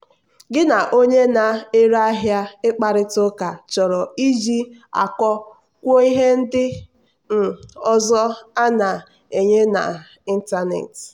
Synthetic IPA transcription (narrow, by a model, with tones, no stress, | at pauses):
ɡɪ˦na˨ʔo˦ɲe˦na˨e˦ɾa˦ɦja˦ɪ˦k͡pa˨ɾɪ˦tʊ˦ka˨t͡ʃɔ˨ɾɔ˨i˦d͡ʒi˦a̰˨kɔ˦ | kʷo˦i˦ɦe˦n̩˦dɪ˦ | m̩˨ɔ˦zɔ˦a˦na˨ | e˨ɲe˦na̰˨ | i˦n̩˦ta˦nḛ˨t